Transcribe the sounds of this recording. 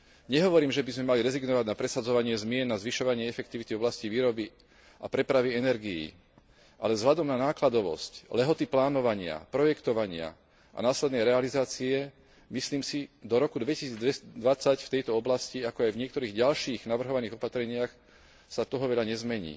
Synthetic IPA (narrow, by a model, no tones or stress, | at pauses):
ɲɛɦɔʋɔɾiːmʒɛbizmɛmaliɾɛziɡnɔʋaɟnapɾɛsad͡zɔʋaɲɪɛzmɪɛnːazʋiʃɔʋaɲɪɛɛfɛk̚t̪iʋit̪ivɔblasciʋiːɾɔbi | ʔapɾɛpɾaʋiɛnɛɾɡijḭː | ʔalɛzɦlad̪ɔmnanaːklad̪ɔʋɔ̰sclɛɦɔt̪iplaːnɔʋaɲɪa̰pɾɔjɛkt̪ɔʋaɲɪa̰ | ʔa̰naːslɛd̪nɛjɾɛalizaːt͡siɛ | misliːmsid̪ɔɾɔkud̪ʋɛcisiːd͡z̪ɛd̪ʋat͡sacft̪ɛjt̪ɔɔblasciakɔajvɲɪɛk̚t̪ɔɾiːɣɟalʃiːɣnaʋr̩ɦɔʋaniːɣɔpat̪ɾɛɲɪax | sat̪ɔɦɔʋɛʎaɲɛzmɛɲḭː